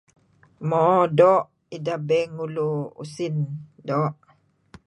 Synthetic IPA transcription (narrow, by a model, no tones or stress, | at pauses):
mɔdɔʔ | idabɛŋuluṵsindɔʔ